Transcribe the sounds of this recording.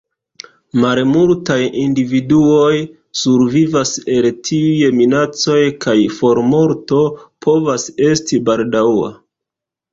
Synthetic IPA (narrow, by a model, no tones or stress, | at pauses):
malmultajindividuo̞j | suɾvivase̞ltʰiujeminat͡so̞jkajfo̞ɾmo̞ɾto̞pʰo̞vase̞stibaldaa̰